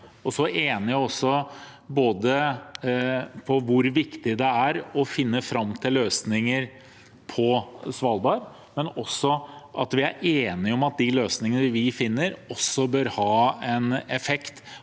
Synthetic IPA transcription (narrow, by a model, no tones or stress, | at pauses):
ɔsɔeːnɪɔsːɔboːd̪ə | pʰɔʋʊɾʋɪkt̪ɪd̪ɛæɾɔfɪnːəfɾɑmːt̪ʰɪlːøːsnɪŋəɾ | pʰɔsʋɑlˠbɑːɾ | mɛnɔsːɔʔɑt̪ʋɪæ̰ɾeːnɪɔmɑt̪̚d̪ɪløːsnɪŋənəɾʋɪfɪnːəɾɔsːɔbøːɾhɑːɛnɛfɛkt̪